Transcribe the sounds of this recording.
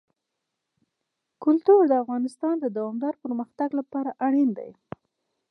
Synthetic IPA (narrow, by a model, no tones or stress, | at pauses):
kʊlt̪uɾd̪əafɣɑnɪst̪ɑnd̪əd̪awɑmd̪ɑɾpəɾməxt̪aɡlapɑɾaʔaɽind̪a̰j